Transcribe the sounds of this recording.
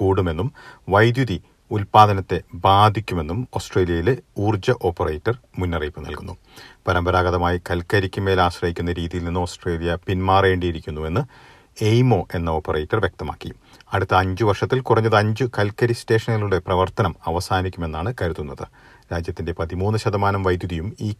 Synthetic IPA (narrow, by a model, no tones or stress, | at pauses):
kuːɽume̞nːumʋɐjd̪juði | ulpaːd̪ʱɐnɐt̪ːe̞baːd̪ʱikʲːume̞nːumo̞ːsʈreːlijɐjiluːrd͡ʑɐʔo̞ːpːɐreːtːɐrmunːɐriːpːɨnɐ̰lkunːu | pɐɾɐmbɐɾaːɡɐðɐmaːjikɐlkɐɾikʲːume̞ːlaːɕrɐhikʲːunːɐɾiːðijilninːɨo̞ːsʈre̞ːlijɐpinmaːre̞ːɳɖijiɾikʲːunːue̞nːɨ | ejmo̞ːʔe̞nːɐo̞ːpːɐreːtːɐrʋjek̚t̪ɐma̰ːkːi | ɐɽut̪ːɐːɲd͡ʑɨʋɐrʂɐt̪ːilkurɐɲːɐðɨɐɲd͡ʑɨkɐlkɐɾiste̞ːʂɐnːɐluɽe̞prɐʋɐrt̪ɐnɐmɐʋɐsaːnikʲːume̞nːaːɳɨkɐɾuðunːɐðɨ | ɾaːd͡ʑjɐt̪ːinde̞pɐðimuːnːɨɕɐðɐmaːnɐmʋɐjd̪juðijumiː